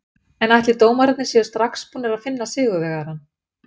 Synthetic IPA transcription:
ɛnajht̪lɪt̪oːwmaɾɛt̪nɪsɛðʏ̥st̪ɾaxspuːnaɾaðfɪnːasɪːɣʏvɛɣaɾan

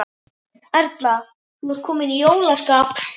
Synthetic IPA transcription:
ɛɾt̪la | nuɾ̥kʰɔːmɪnijoːwlaskaːp

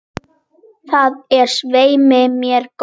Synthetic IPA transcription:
θaðɛɾ̥sveːjmɪmjɛɾ̥k

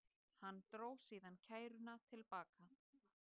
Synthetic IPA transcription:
hanːt̪ɾoːwsiːðancʰaːjɾʏnat̪ʰɪlpaːka

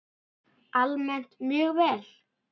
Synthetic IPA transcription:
almɛn̥t̪mʏːɣvɛːl

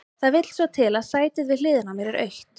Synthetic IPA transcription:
θaðvɪt̪l̥svat̪ʰɪlaðsaːjt̪ɪðvɪðl̥ɪːðɪnamɛɾɪɾœ̰ɥht̪

